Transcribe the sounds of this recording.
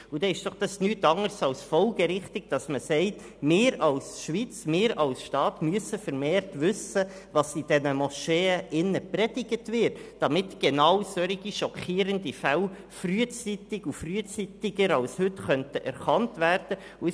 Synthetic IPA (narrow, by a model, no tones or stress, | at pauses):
ud̥ɛɪʃd̥ɔχd̥ɑsnyːtɑŋəɾsɑlsfɔlɡəɾɪχtɪɡ̚d̥ɑsməsɛɪt | mɪːɾɑlsʃʋit͡smɪːɾɑlsʃtɑːtmyəsəfəɾmeːɾtʋʏsə | ʋɑsid̥ɛnəmɔʃeːəʔɪnːəprɛd̥ɪɡətʋɪɾtd̥ɑmɪtɡ̥enɑwsœɾiɡiʃɔkʰiːɾəndifæl | fryːət͡sitɪɡufryːət͡sitɪɡəɾɑlshʏtχœntəʔɛ̰ɾχɑntʋæːrd̥ə | u